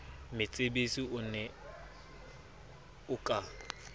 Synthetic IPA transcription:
mɪt͡sʼebesiʊnɛ | ʊkʼa

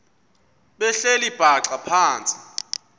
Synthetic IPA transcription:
ɓɛɬelib̥ʱaǁapʰaːnt͡sʼi̥

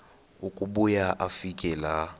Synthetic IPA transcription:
ukʼuɓujaʔafikʼɛla

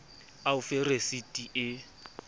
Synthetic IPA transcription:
aʊferesitʼiʔɪ

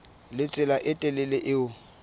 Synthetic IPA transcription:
lɪt͡sʼɪlaʔɪtʼɛlɪlɪʔɪʊ

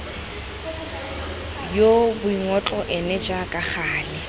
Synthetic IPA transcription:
jobʊiŋɔt͡ɬʼɔʔɛnɛd͡ʒakʼaχaːlɪ

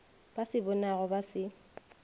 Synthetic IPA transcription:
b̥asɪbɔnaɣɔbasɪ

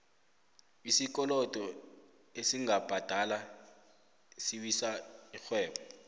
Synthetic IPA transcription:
isik̬ɔlɔd̥ʱɔ | esiŋab̥ʱad̥ʱala | siɓisaixwɛːɓɔ

